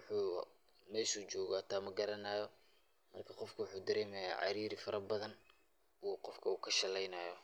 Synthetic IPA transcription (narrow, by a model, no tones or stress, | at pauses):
ʊħuː | mɛsut͡ʃɔːɣɔɐt̪ʰaːmɐɡɐɾɐnaːjɔ | mɐrkʰɐqɔfkʰʊwʊħuːd̪ɐɾɛːmɛja̰ːʕɑ̰ɾiːɾɪfɐɾʔɐbɐðɐn | uːqɔfkʰɐuːkʰɐʃɐlɛjnajɔ